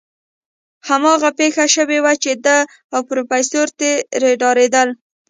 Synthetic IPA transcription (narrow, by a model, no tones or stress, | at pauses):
hamɑɣapexaʃəwewat͡ʃed̪ə | awpɾofajsoɾt̪eɾeɖɑɾed̪əl